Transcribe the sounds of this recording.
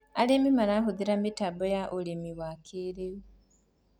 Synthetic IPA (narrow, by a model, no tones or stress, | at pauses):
alimimanaɦuðiɾamitabojaʔulimiwakʰiɾiɾi